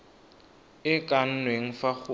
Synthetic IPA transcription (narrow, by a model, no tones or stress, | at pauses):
ɪkʼan̩nweŋ̩faχʊ